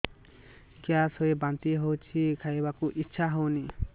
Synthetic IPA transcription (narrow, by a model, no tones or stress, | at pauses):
kiasoebant̪iɦowt͡ʃʰikʰajbakuʔitːʃʰaɦowni